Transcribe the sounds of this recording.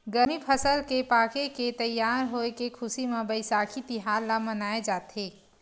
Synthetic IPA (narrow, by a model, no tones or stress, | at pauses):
ɡəmipʰəsəlkepakeket̪əjːaɾɦoekekʰʊsimebəɪsakʰit̪iɦaɾlamənaed͡ʒat̪ʰe